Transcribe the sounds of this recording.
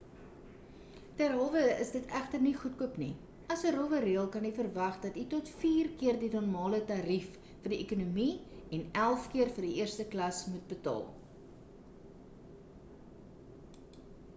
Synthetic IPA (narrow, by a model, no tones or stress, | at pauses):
tærɦælˠvəə̰sdətʰæχtərniχut̚kuəpni | ɐsəɾovəriəlˠkɐnifərvɐχdɐtitɔtfiːrkiərdinɔrmɑːlətɑːɾifː | ərdiʔekunumiɛnælˠfkiərfərdiʔiərstəklɐsmut̚bətɑ̰ːlˠ